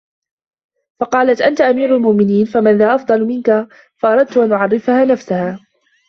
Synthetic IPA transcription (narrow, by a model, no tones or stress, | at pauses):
fɑqɑːlat̪ʔant̪aʔamiːɾʊlmʊʔmɪniːnfamanðaːʔɑfd̪ˤɑlmɪnka | fɑʔɑɾˤɑd̪̚t̪ʊʔanʔʊʕɑrːɪfahaːnafsahaː